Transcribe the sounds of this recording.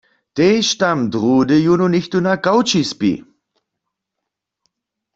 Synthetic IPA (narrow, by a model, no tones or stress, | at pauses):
teːʃtamdʁuːdəjunonɪçtunakawt͡ʃispḭ